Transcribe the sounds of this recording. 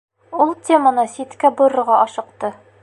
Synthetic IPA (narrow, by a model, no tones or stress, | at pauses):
ulˠtʲemənɤsit̪kæbŏɾɤ̆ɾʁɑʔɒʃɤ̆qt̪ɤ